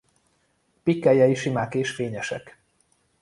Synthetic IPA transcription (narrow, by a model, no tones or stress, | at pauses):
pikːɛjɛiʃimaːkeːʃfeːɲɛʃɛ̰k